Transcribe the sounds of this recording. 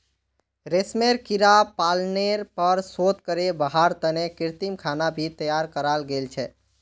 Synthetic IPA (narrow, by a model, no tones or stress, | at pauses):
ɾesmeɾkiɾapalneɾpəɾsot̪kəɾebəɦaɾt̪ənekiɾt̪imkʰanabʱit̪əjaɾkəɾalɡelt͡ʃʰɛ